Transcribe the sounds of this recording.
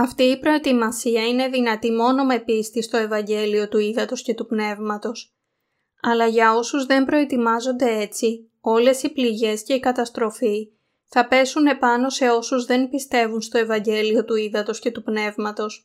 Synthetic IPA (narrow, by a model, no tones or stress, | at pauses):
ɐft̪iːpɾo̞et̪imɐsiɐine̞ðinɐt̪imo̞no̞mepist̪ist̪o̞e̞vɐɲɟe̞lio̞t̪uiðɐt̪o̞sce̞t̪upne̞vmɐt̪o̞s | ɐlɐʝɐo̞suzðe̞mbɾo̞et̪imɐzo̞nd̪e̞e̞t͡si | o̞le̞sipliʝe̞sce̞ikɐt̪ɐst̪ɾo̞fi | θɐpe̞sune̞pɐno̞se̞o̞suzðe̞npist̪e̞vunst̪o̞e̞vɐɲɟe̞lio̞t̪uiðɐt̪o̞sce̞t̪upne̞vmɐt̪o̞s